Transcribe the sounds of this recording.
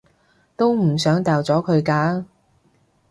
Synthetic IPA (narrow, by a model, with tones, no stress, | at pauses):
t̪o˥wm̩˨˩sœː˨˥ŋt̪aː˨˧wt͡sɔː˨˥kʰɵ˨˧ɥkaː˧˥